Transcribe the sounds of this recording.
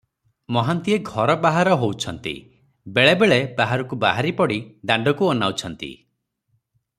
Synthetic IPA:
mɔɦant̪ieɡʱɔɾɔbaɦaɾɔɦowt͡ʃʰɔnt̪ḭ | beɭebeɭebaɦaɾɔkubaɦaɾipɔɽiɖaɳɖɔkuɔnawt͡ʃʰɔnt̪ḭ

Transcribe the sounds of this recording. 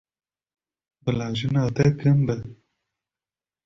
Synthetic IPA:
bɨlaːʒinaːt̪ɛkʰɨmbɛ

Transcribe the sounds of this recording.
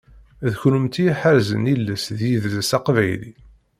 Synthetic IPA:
ðçɾumt̪ijħaɾzə̰nilːəsðjiðləsɑqvæjlḭ

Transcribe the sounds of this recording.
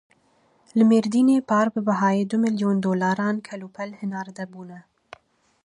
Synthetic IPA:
lɨmeːɾd̪iːneːpʰɑːɾbɨbɛɦɑːjeːd̪ʊmɨljoːnd̪oːlɑːɾɑːnkʰɛlupʰɛlhɨnɑːɾd̪ɛbuːnɛ

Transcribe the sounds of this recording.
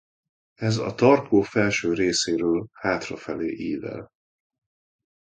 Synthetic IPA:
ɛzɒ̰t̪ɒrkʰoːfɛlʃøːɾeːseːɾøːlhaːt̪rɒfɛleːʔiːvɛ̰l

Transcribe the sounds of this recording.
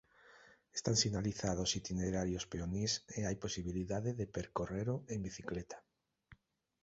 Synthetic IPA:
e̥st̪aŋsinaliθaðosit̪ineɾaɾjospeoniseajposiβiliðaðeðepeɾkoreɾʊeŋbiθiklet̪ḁ

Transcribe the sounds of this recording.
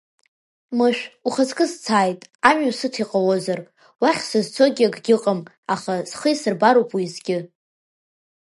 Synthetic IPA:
mɨʃᶣuχazkʼɨzt͡sʰaːjtʼamasɨtʰiqʼawozar | waχʲsɨzt͡sʰo̞ɡʲɪaɡɡʲɪqʼəm | aχaz̥χəjsɨrbaɾowpʼwizɡʲɪ

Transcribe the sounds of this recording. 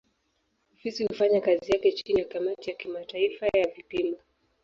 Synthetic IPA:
ɔfisihufaɲakazijakɛt͡ʃinijakamatijakimataifajavipima

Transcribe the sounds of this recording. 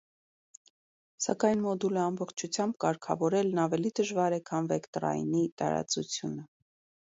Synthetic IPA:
sɑ̰kɑjnmɔd̪uləɑmbɔχt͡ʃʰut͡sʰjɑmbkɑɾkʰɑ̰vɔɾɛlnɑvɛlid̪əʒvɑɾɛkʰɑnvɛkt̪ɾɑ̰jnit̪ɑ̰ɾɑ̰t͡sut͡sʰjunə

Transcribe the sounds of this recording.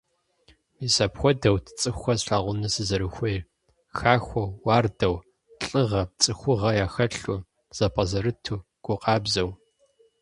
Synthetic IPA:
miːsɐpxʷɔdɐwtʰt͡sʼɨxʷɐzɬaːʁʷʊnɨsɨzɐɾɨxʷɔjr | xaːxʷɐwːɑːrdɐw | ɬʼɨʁɐt͡sʼɨxʷʊʁɐjaːxɐɬu | z̥ɐpʼɐzɐɾɨtʰuː | ɡ̥ʷʊqʼɑːbzɐw

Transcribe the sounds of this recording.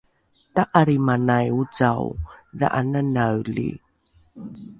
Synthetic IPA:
taʔaɾimanajut͡saw̰ða̰ʔananawlḭ

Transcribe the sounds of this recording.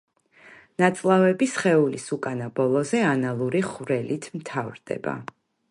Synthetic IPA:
nat̪sʼlˠavɛbisχɛulḭsukʼanabɔlˠɔzɛanalˠuɾiχvɾɛlit̪ʰmt̪ʰavɾd̪ɛ̰ba̰

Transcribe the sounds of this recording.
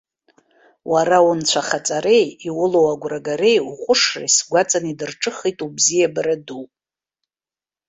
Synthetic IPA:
waɾawunt͡ɕʷʰaχat͡sʼaɾe̞jiwʊlowaɡʷraɡaɾe̞juχʷʼʊʂra̰isɡʷat͡sʼanidɨrʈ͡ʂʼɨχitʼubzijabaɾadu

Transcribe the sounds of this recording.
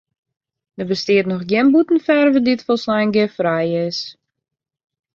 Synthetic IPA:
dəbəstɪətnɔxɡjɪnbutən̩fɛrvədiətfɔlˠslɛjnɡɪfrajɪs

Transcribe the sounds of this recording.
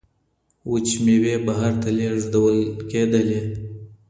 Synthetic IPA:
wut͡ʃmewebaɦaɾt̪aleʐd̪awəlked̪əle

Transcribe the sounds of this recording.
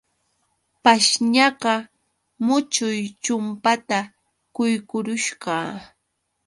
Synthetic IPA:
paʃɲɑɢɑ | mʊt͡ʃʊjt͡ʃʊmpat̪a | kʊjkʊɾʊʃɢɑː

